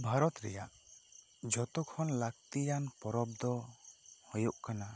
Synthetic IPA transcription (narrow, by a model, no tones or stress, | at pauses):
bʱaɾɔt̪ɾɛjaʔ | d͡ʒɔt̪ɔkʰɔnlak̚t̪ijanpɔɾɔbd̪ɔhɔjuʔkana